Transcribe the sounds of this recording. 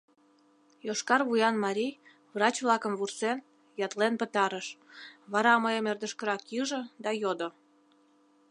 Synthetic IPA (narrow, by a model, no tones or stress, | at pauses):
joʃkɑrβujɑnmɑɾʲij | βrɑt͡ɕβlɑkəmvursen | jɑt̪lenpət̪ɑɾəʃβɑɾɑməjəmerd̪əʃkəɾɑkiʒə̆d̪ɑjod̪o